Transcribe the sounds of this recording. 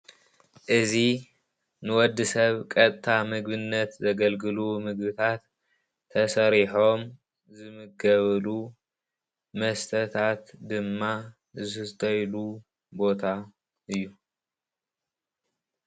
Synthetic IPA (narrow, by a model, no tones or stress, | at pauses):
ʔɨzi | nɨwɔd̪ːɨsɐβkʼɐt̪ʼt̪ʰamɨɡbɨnːɐt̪zɐɡɐlɡɨlumɨɡbɨt̪ʰat̪ʰː | ɐsɐɾiħo̞m | zɨmɨɡɐβɐlu | mɐst̪ʰɐt̪ʰat̪d̪ɨmːa | zɨt̪ʼɐjlu | bo̞t̪ʰa | ʔɨjːu